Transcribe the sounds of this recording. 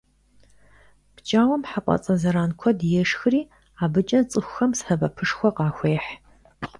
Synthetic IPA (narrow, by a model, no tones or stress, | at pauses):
pt͡ʃʼaːwɐmħaqʷʼɐ̰t͡sʼɐzɐɾaːnkʷʰɔdjɛʂxɨriː | aːbɨt͡ʃʼɐnt͡sʼɨxʷxɐmsħɐbɐpʰɨʂxʷɔqɑːxʷeːħ